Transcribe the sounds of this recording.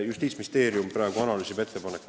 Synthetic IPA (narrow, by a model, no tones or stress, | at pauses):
just̪iːt̪smist̪e̞ːɾijumprɾɑːɡ̥uɑnɑlysibe̞t̪ːe̞pɑnekː